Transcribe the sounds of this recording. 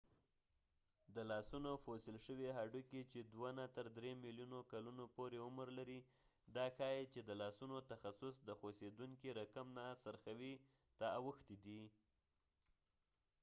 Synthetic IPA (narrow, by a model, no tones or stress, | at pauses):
d̪əlɑsunofosɪlʃəweɦaɖuket͡ʃed̪wanat̪əɾd̪ɾemiljunokalunopoɾeʊməɾlaɾi | d̪ɑxɑjit͡ʃed̪əlɑsunot̪axasʊsd̪əxosed̪uŋkiɾakamnasaɾxawi | t̪aawəxt̪id̪i